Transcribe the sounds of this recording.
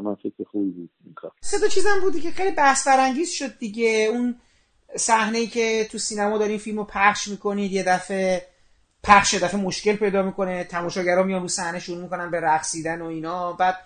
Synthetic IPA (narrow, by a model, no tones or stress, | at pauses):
mænfekʰɾexubibud̪̚mixa̰se̞d̪ɒt͡ʃʰizæmbuːd̪icʰexejlibæhsbæɾæŋɟiːzʃo̞d̪̚ːiɟeun | sæhne̞iːcʰe̞t̪ʰusiːnæmɒːd̪ɒɾiːnfilmopʰæχʃmiːkʰo̞niːd̪je̞d̪æfe | pʰæχʃjed̪æfemoʃce̞lpʰe̞jd̪ɒːmikʰo̞net̪ʰæmɒːʃɒːɟæɾɒːmijɒnruːsæhne̞ʃuɾumiko̞nænbe̞ɾæχsiːd̪æno̞iːnɒːbæːd̪̥̚